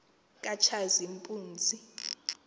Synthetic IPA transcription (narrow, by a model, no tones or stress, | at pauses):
kʼat͡ʃʰazimpʼuːnd͡zʱi